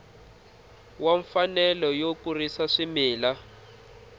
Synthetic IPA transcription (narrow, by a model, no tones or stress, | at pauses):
waɱfanɛlɔjokurisaʂimiːla